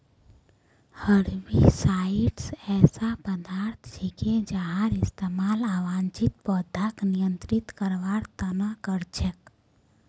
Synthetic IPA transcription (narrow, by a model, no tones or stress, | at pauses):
həɾʋisaiʈsɛːsapəd̪aɾt̪ʰt͡ʃʰiked͡ʒaɦaɾɪst̪emaːlaːʋaːnt͡ʃit̪̚bɔd̪ʱaknijənt̪ɾit̪kəɾʋaɾt̪ənakəɾt͡ʃʰek